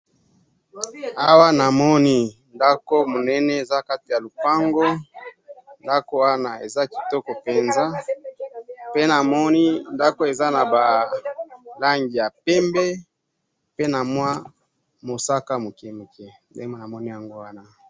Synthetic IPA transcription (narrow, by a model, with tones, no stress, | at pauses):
a˦wa˦na˨mɔ˦ni˦nda˦ko˦mo˨nɛ˦nɛ˦e˨za˦ka˦ti˨ja˨lu˨pa˦ŋɡo˦ | nda˦ko˦wa˦na˨e˨za˦ki̥˨tɔ˦kɔ˨pe˨nza˦ | pe˦na˨mɔ˦ni˦nda˦ko˦e˨za˦na˨ba˨ | la˦ŋɡi˨ja˨pɛ˦mbɛ˦ | pe˦na˨mwa˦ | mo˨sa˦ka˦mo˨ke˨mo˨kɛ˨ | dḛ˦mo˦˨na˨mɔ˦ni˦ja˨ŋɡo˦wa˦na˨